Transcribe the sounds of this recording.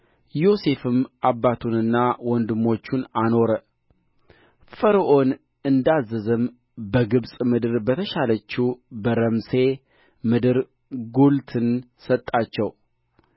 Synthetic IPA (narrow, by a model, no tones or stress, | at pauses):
jo̞se̞fɨmʔabːat̪ʰunɨnːawɔnd̪ɨmo̞t͡ʃːunano̞ɾə | fəɾəʔo̞n | ɨnd̪azːɨzɨm | bəɡɨβsʼmɨd̪ɨɾbət̪ʰəʃalət͡ʃːubəɾəmse̞ | mɨd̪ɨɾ | ɡult̪ʰɨn | sət̪ʼːat͡ʃːɛw